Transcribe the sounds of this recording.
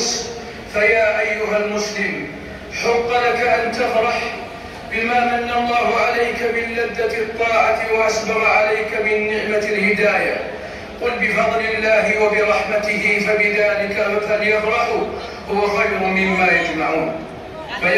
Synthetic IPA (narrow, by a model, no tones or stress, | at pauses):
s | fajaːʔajːʊɦalmʊslɪm | ħʊqːɑlakaʔant̪afɾˤɑħ | bɪmaːmanːalˤːɑːɦʊʕalajkamɪnlad̪ːat̪t̪ˤːɑːʕat̪ɪwaʔasbɑɣʕalajkamɪnːɪʕmalhɪd̪aːja̰ | qʊlbɪfɑðˤlɪlːaːɦɪwabɪɾˤɑħmat̪ɪɦɪfabɪðaːlɪkahaljafɾˤɑħʊ | hʊwaxajɾʊːɪmːaːjad͡ʒmaʕuːn | faʔ